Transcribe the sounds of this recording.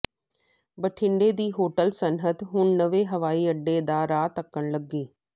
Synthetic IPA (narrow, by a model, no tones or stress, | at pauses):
bəʈʰɪɳɖeːd̪iːɦoːʈəlsənɦət̪ɦʊɳnəʋeːɦəʋaːiːəɖːeːd̪aːɾaːt̪əkːəɳləɡːeː